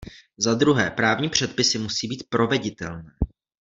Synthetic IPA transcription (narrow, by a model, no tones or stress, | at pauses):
zad̪ɾuɦɛ̰ːpɾaːvɲiːpr̝̥ɛt̪̚pɪsɪmusiːbiːt̪̚pɾo̞vɛɟɪt̪ɛ̰lnɛː